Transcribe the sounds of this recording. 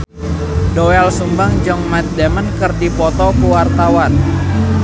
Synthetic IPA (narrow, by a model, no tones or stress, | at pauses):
doɛlsumbaŋd͡ʒəŋmat̪̚dɛmənkərdipɔt̪ɔkuwart̪awan